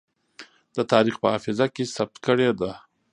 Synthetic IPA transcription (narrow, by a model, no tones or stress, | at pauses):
d̪ət̪ɑɾixpəɑfɪzakesab̚t̪kəɽed̪a